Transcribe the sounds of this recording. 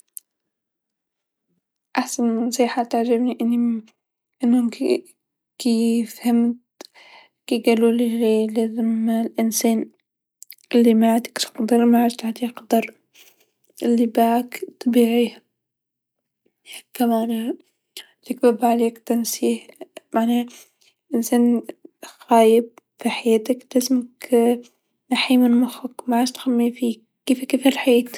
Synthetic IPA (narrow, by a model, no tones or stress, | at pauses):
ʔaħsanmɪnːɑsˤiːħat̪aʕd͡ʒɪbniʔɪnːi | ʔɪnːhʊm | kifhamt̪ | kiɡaluliɣelaːzɪmːalʔɪnseːn | ʔɪlːimaʕad̪ɪ̥kt̪qd̪ɑɾˤmaʕad͡ʒt̪aʕt̪iqd̪ɑɾˤ | ʔɪlːibaʕakt̪ˤːɑbiːʕih | kamaːn | lɪkbabʕaleːkt̪ansiːxmaʕna | ʔɪnsaːnxaːjɪb̚ | fiħajaːt̪aklazmak | naħimɪnmʊxakmaʕaːʃt̪xamːifiː | kːeːfkeːfalħaeːt̪